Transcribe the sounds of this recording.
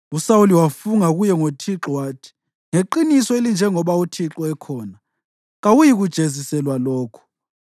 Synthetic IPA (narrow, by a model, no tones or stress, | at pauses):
usawuliwafuŋaɣujɛŋotʰiǁɔwaːtʰi̥ | ŋeǃinisɔelind͡ʒʱɛŋɔβautʰiǁɔɛkʰɔːna | ɣawujiɣud̥ʒ̥ʱezisɛlwalɔːkʰɔ̥